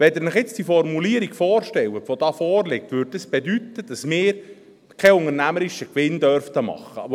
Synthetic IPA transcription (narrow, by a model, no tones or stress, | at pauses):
ʋɛd̪əɾnəχjɪt͡sd̥iəfɔɾmuliəɾikfɔːɾʃtɛwətʋod̥ɑːfɔːɾlɪk̚t̪ʋʏːɾddɑsb̥edyt̪ːəd̥ɑsmɪːɾ | kʰɛʊŋəɾnæməɾiʃəkʋɪnd̪œɾft̪əmɑ̰χːə